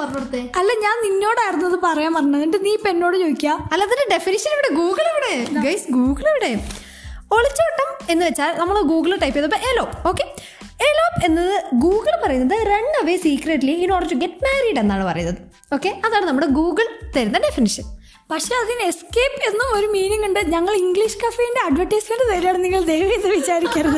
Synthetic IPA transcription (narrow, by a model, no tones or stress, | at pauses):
pɐɐɽut̪ːeɐlːɐɲaːninːo̞ːɽaːjiɾunːɐðɨpɐrɐjaːmɐrɐɲːɐnɐɳɖɨniːpe̞nːo̞ːɽɨt͡ɕoːðikʲːaɐlːɐɐðindeɖe̞finiʂɐniʋiɽe̞ɡuːɡɐɭiʋiɽe̞ɡɐjsɡuːɡɐɭiʋiɽe̞ | o̞ɭit͡ɕːoːʈːɐme̞nːɨʋet͡ɕːaːlnɐmːɐɭɡuːɡɐɭʈɐjpːijɐðoɐpːɐʔelo̞ːpːo̞ːkːe̞ | elo̞ːpe̞nːɐðɨɡuːɡɐɭpɐrɐjunːɐðɨreɳːɐʋeːsiːkreʈːliino̞ːɽt͡ɕːuɡe̞ʈːmaːriːɖenːaːɳɨpɐrɐjunːɐðɨ | o̞ːkːe̞ɐðaːɳɨnɐmːuɽeɡuːɡɐɭt̪ɐɾunːɐɖe̞finiʂɐn | pɐkʂeɐðineskeːpːe̞nːumo̞ɾumiːniŋːuɳɖɨɲɐŋːɐɭiŋɡɭiʂkɐfejinde̞ɐɖʋɐʈːɐjsmɐndet̪ɐɾiaːɳɨnːiŋːɐɭd̪ejʋɐjit̪ːeʋit͡ɕaːɾikʲːaːɾɐðɨ